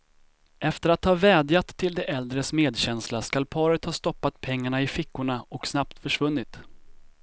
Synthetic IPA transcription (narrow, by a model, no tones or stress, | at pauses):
ʔɛft̪əɾat̪hɑːvɛːd̪jat̪ʰːɪld̪ɛʔɛld̪ɾəsmeːd̪ɕɛnslaskalpʰɑːɾət̪hɑːst̪ɔpːat̪pʰɛŋːaɳaɪfɪkːʊɳaɔksnap̚t̪fœʂvɵnːɪt̪